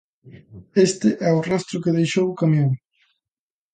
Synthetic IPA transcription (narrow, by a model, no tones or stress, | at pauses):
est̪ɪʔɛʊrast̪ɾʊkɪðejʃowkamjoŋ